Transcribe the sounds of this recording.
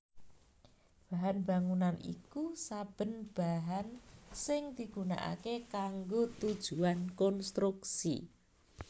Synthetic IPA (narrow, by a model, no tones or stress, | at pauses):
b̥a̤ɦanba̤ŋunanʔḭkusab̥ə̤nb̥aɦansɪŋd̪̥i̤ɡ̥ṳna̰ʔa̰kekaŋɡot̪ud̥ʒ̥uankɔnst̪ɾuksḭ